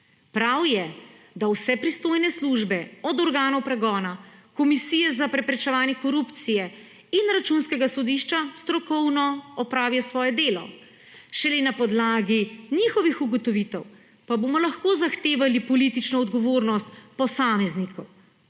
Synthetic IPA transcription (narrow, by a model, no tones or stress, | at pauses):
pɾawjɛ | d̪awsɛpɾist̪oːjnɛsluʒbɛɔd̪ɔɾɡaːnɔwpɾɛɡɔːnakɔmisiːjɛzapɾɛpɾɛt͡ʃɛʋaːnjɛkɔɾupt̪sijɛ | inɾat͡ʃunskɛɡasɔd̪iʃt͡ʃast̪ɾɔkɔwnɔɔpɾaːʋijɔsʋɔːjɛd̪eːlɔ̰ | ʃɛlenapɔd̪laːɡinixɔʋixuɡɔt̪ɔʋit̪ɛw | paboːmɔlaxkoːzaxt̪eːʋalipɔlit̪it͡ʃnɔːd̪ɡɔʋoːɾnɔst̪pɔsaːmɛznikɔw